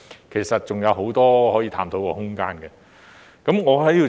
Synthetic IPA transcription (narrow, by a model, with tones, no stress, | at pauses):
kʰe˨˩jsɐ˨t̚t͡sʊ˨ŋjɐ˨˧wɦo˨˥wt̪ɔː˥ɦɔː˨˥jiː˨˧t̪ʰaː˧˥mt̪o˧wkɔ̰ː˧˥hʊ˥ŋka̰ː˥nkɛː˧ | kɐ˨˥mŋɔː˨˧hɐ˨˥ji˧w